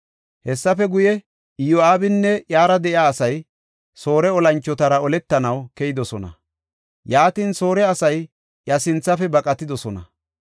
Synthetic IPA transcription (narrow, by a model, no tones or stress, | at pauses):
hɛsːɐfɛɡʊjɛ | ɪjoaːbɪnːɛjaːɾɐd̪ɛʔjɪaːsɐj | so̞ːɾɛɔlɐnt͡ʃːɔt̪ɐɾɐɔlɛt̪ːɐnɐwkɛjɪd̪ɔsɔnɐ̰ | jaːt̪inso̞ːɾɛɐsɐj | jɐsɪnt͡sːɐfɛbɐkʼɐt̪ːɪd̪ɔsɔnɐ̰